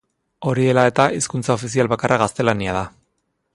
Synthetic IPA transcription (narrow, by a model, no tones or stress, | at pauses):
o̞ɾie̞lae̞t̪aʔiskunt͡sao̞fisialβakarʔaɣ̞ast̪e̞laniað̞a